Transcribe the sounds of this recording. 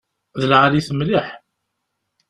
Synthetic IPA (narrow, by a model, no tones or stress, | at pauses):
ðəlʕaliθəmliħ